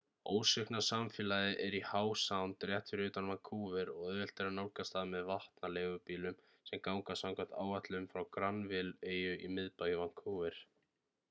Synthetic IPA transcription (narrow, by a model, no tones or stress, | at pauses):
oːwsɛhknḁsamfɪːlaðɪʔɛɾihaːwsawnt̪ɾjɛht̪ʰʏɾʏːt̪anvaŋkʰuːvɛɾɔɣœðvɛl̥t̪ɛɾanawlkast̪aðmɛðvaht̪naleːɣʏpiːlʏm | sɛmkawŋkasawŋkḁt̪a̰ːwvaht̪lʏmfɾawkɾanvɪleːjʏʔimɪðpaːjɪvaŋ̥kʰuvɛɾ̥